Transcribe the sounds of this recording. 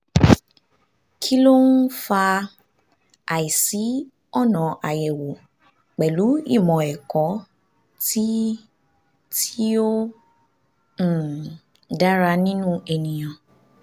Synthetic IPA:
kʰi˦lo˦n̩˦fa˧ | a˨i˨si˨˦ | ɔ˦˨nɔ̃˨ʔa˨jɛ˨wo˨ | k͡pɛ˨lu˨˦i˦˨mɔ̃˨ɛ˨kɔ˨˦ | ti˦ | tʰi˦o˦˨ | da˦ɾa˧nĩ˦nũ˦ɛ˧nĩ˨j̃ã˨

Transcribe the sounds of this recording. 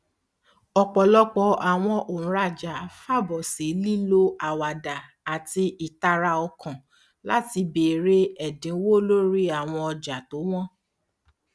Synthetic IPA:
ɔ˧k͡pɔ˨lɔ˦k͡pɔ˧a˨w̃ɔ̃˧ʔõ˨ɾa˨d͡ʒa˨fa˦˨bɔ˨se˨˦li˦lo˦a˨wa˨da˨ | a˨ti˧i˨ta˧ɾa˧ɔ˧kã˨ | la˦ti˧be˨ɾe˦ɛ˦˨dĩ˨˦wo˦lo˦ɾi˦a˦˨w̃ɔ̃˧ɔ˧d͡ʒa˨to˨˦w̃ɔ̃˦

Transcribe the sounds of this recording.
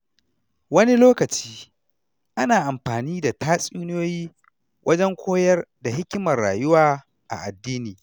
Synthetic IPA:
wɐ˦ni˦loː˦kɐ˨t͡ʃiː˦ | ʔa˦naː˨ʔa˨mɸaː˨niː˦da˨taː˦sʼuː˦nɪ˦joː˦jiː˦ | wʔɐ˦d͡ʒɛ˦ŋkʷʰoː˦jɐ˦rda˨ɦɪ˦kʲɪ˦mɐ˨rːaː˨jʊ˦waː˦ | ʔa̰˨ʔa˨dːiː˦niː˨

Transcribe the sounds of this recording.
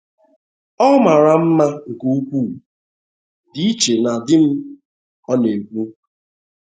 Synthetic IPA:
ɔ˦ma˨ɾa˨m̩˦ma˦ŋ̩˨ku˦u˦kʷu˦˨ | di˦i˦t͡ʃe˨na˨dɪ˦m̩˦ | ɔ˦ne˨ɡʷu˦

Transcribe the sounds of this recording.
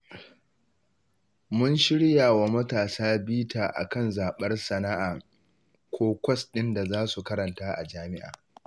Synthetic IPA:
mʊ˦nʃɪ˦ɽjaː˨wa˨mɐ˦taː˨saː˦biː˦tʰaː˨ʔa̰˨kɐ˦˨nzaː˨ɓɐ˦rsɐ˨na˦ʔaː˨ | kʷʰoː˦kʷɐ˦sɗɪ˦nda˨zaː˦su˨kɐ˦ɾɐ˨ntaː˦ʔa̰˨d͡ʒaː˦mɪ˦ʔa̰ː˨

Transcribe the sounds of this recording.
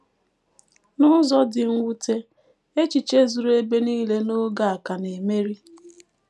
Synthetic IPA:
nʊ˦zɔ˦dɪ˨ŋ̩˦wʷu˦te˦ | e˦t͡ʃi˨t͡ʃe˦zu˨ɾe˦be˦niː˦le˦no˦ɡa˨a˨ka˨ne˨me˦ɾi˦

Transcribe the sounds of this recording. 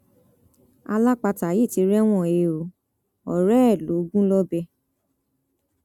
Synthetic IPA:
a̰˧la˦k͡pa˧ta˨je˦˨ti˨˧ɾɛ˦w̃ɔ̃˦˨e˧˨o˨ | ɔ˨ɾɛ˦ɛ˦˨lo˨˦ɡũ˦lɔ˦bɛ˧

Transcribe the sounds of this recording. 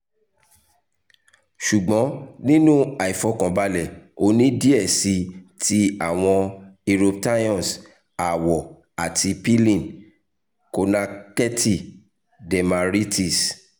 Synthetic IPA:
ʃu˨ɡ͡bɔ̃˨˦nĩ˦nũ˦a˨i˨fɔ˧kã˨ba˧lɛ˨o˧nĩ˦di˦ɛ˦˨si˧ti˦a˦˨w̃ɔ̃˧i˧ɾo˧p̚ta˦jɔ̃˦˨s | a˨wɔ˨ | a˨tʰi˧pi˦lĩ˦˨n | ko˧na˧kɛ˦ti˦˨ | dɛ˨ma˨ɾi˦ti˦˨s

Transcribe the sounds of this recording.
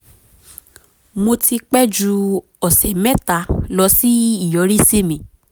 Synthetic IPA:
mo˧ti˧k͡pɛ˦d͡ʒu˧ | ɔ˨sɛ˨mɛ̃˦ta˧˦lɔ˧si˦i˦˨jɔ˨˦ɾi˦se˦˨mĩ˨

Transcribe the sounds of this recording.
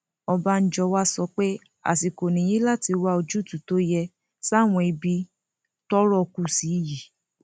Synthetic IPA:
ɔ˧ba˧n̩˦d͡ʒɔ˧wa˦sɔ˧k͡pe˦ | a̰˨ti˨ko˨nĩ˨j̃ĩ˦la˦˨ti˧wa˧o˧d͡ʒu˦˨tu˨to˦jɛ˧ | sa˦˨w̃ɔ̃˧i˧bi˧˦ | tɔ˦ɾɔ˦˧ku˧si˨˦˧ji˨

